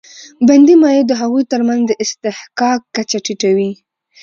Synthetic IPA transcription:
band̪imɑjed̪əɦaɣujt̪əɾmanzd̪əʔɪst̪ɪhkɑkːat͡ʃaʈiʈawi

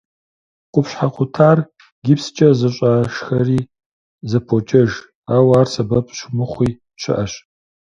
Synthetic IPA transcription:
qʷʼʊpɕħaqʷʊtʰaːr | ɡʲɪpst͡ʃʼɐzɐɕʼaʃxɐriː | zɐpʰot͡ʃʼɐʒ | aːwaːrsɐbɐpʰʼɕmɨχʷiː | t͡ʃʰɪ̰ʔɐɕ

